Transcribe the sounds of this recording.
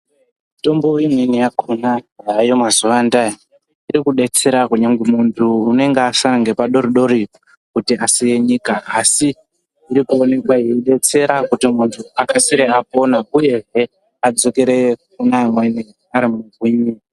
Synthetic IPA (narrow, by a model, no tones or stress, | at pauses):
ito̞mbo̞imwenijakʰonajajomazuʋanda | iɾikuɗe̞t͡se̞ɾakuɲaŋɡmuntʰuːne̞ŋɡeasaŋɡepaɗo̞ɾiɗo̞ɾi | kutiʔasije̞ɲikaːsiː | ɾikuo̞ne̞kwaiiɗe̞t͡se̞ɾakutimuntʰuakasiɾeapo̞nauje̞ɦe | ad͡zo̞ke̞ɾek̚unamweni | aɾimuɡʱiɲi